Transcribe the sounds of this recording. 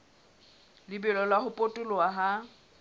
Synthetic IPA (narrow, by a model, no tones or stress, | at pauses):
lɪbɛlɔlaɦʊpʼotʼʊlɔaɦa